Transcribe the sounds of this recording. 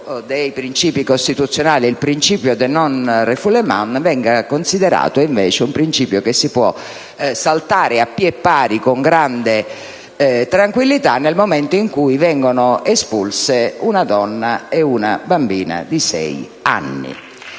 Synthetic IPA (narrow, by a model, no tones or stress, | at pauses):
d̪ejpɾint͡ʃiːpikost̪it̪ut̪sːjonaːliilpɾint͡ʃiːpjod̪enːɔnrefulema̰nvɛŋɡakonsid̪ɛɾa̰ːt̪oiɱvɛːt͡ʃɪumpɾint͡ʃiːpjokesːipwɔ̰ | salt̪aːɾɪapːiɛpːaːɾikoŋɡɾand̪e | t̪ɾaŋkwilːit̪anːelmomɛnt̪oiŋkujvɛŋɡonʊespulseunad̪ɔnːaɛunabambiːna̰d̪isɛ̰j | a̰nːḭ